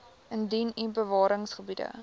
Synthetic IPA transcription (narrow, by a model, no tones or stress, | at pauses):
əndinibəvɑːɾəŋsχəbidə̰